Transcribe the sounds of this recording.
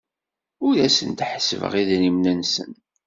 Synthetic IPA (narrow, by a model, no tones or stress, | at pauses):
ʊɾæsənt̪ħə̥səvə̰ʁiðnimnənsə̰n